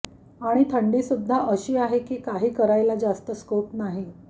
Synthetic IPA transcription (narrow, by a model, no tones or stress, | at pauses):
aɽ̃it̪ʰəɳɖiːsud̪ʱːaʔəɕiːaɦekiːkaɦiːkəɾajlad͡zast̪əskopnaɦi